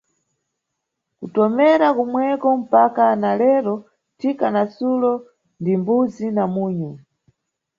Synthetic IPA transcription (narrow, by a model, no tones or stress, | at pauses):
kutɔmɛɾakumwɛkɔm̩pakanalɛɾɔ | tʰikanasulɔ | ndimbud͡zinamuːɲu